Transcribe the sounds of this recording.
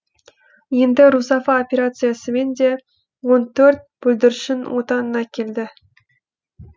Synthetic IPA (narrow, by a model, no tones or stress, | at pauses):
je̞nd̪ɪɾusafaopʲeɾat̪sɨjasəme̞nd̪ʲe | wo̞nt̪ɵrt̪̚b̥ɵlʲd̪ɪɾʃɪnwʔot̪ɑnənɑkʲʰelʲd̪ɪ